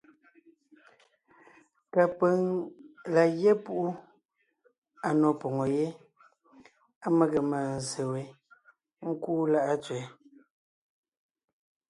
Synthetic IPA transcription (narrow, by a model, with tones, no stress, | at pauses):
ka˨pə˨˦ŋla˨je˦pu˦ʔu˦ | a˨nɔ˨pɔ˨ŋɔ˨je˦ | a˦mə˦ɣə˨ma˨n̩˨ze˨we˨ | ŋ̩˦kuː˦la˦ʔa˦t͡swɛ˨˦